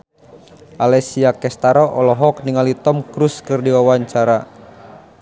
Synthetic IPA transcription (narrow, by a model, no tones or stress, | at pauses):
ʔalɛsiakɛst̪aɾɔʔɔlɔɦɔk̚niŋalit̪ɔmkɾuskɨrdiwawaɲt͡ʃaɾa